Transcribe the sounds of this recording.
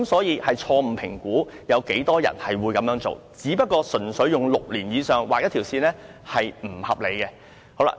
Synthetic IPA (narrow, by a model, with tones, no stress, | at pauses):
msɔː˨˥jiː˨˧hɐ˨jt͡ʃʰɔː˧m̩˨˩pʰɪ˨˩ŋkuː˨˥jɐ˨˧wke˨˥jt̪ɔː˥jɐ̰˨˩nhɐ˨jwuː˨˧jkɐ˨˧mjœː˨˧˥ŋt͡so̰˨wt͡siː˨˥pɐ˥t̚kɔː˧sɵ˨˩nsɵ˨˥ɥjʊ˨ŋlʊ˨k̚liː˨˩njiː˨˧sœː˨˩ŋwaː˨k̚jɐ˥t̪ʰiː˨˩wsiː˧nɛː˥hɐ˨jm̩˨˩hɐ˨p̚le˨˧jkɛ˧ | ho˨˧˥wla̰ː˧˥